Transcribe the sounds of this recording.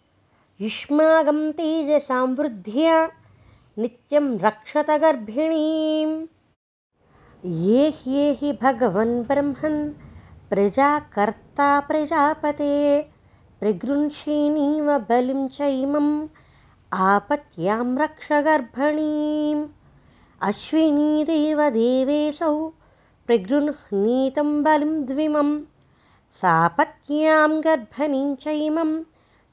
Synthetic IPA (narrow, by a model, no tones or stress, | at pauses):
jiʃmaːɡɐmt̪iːd͡ʒesaːmʋɾud̪ʱijɐ | nit̪jɐmɾɐkʂɐt̪ɐɡɐɾbʱɐɳiːm | jeːhjeːɦibʱɐɡɐʋɐnbɾɐmhɐnpɾɐd͡ʒaːkɐɾt̪aːpɾɐd͡ʒaːpɐt̪eː | pɾɐɡɾunʃiːniːʋɐbɐlimt͡ʃɐjmɐm | aːpɐt̪jaːmɾɐkʂɐɡɐɾbʱɐɳiːm | ɐʃʋiniːɾeːʋɐd̪eːʋeːsɐw | pɾɐɡɾunhniːt̪ɐmbɐlimd̪ʋimɐm | saːpɐt̪̚jaːmɡɐɾbʱɐniɲt͡ʃɐjmɐm